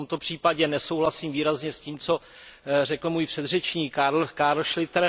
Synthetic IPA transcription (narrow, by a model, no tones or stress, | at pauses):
omt̪o̞pr̥iːpaɟɛnɛso̞wɦlasiːmviːɾazɲɛsciːmt͡so̞ | rɛkl̩muːjpr̝̥ɛd̪rɛt͡ʃɲiːkakaːɾlʃlɪt̪ɾ